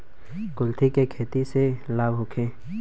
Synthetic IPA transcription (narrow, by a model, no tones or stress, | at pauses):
kʊlt̪ʰikekʰeːt̪iselaːbʱɦʊkʰẽː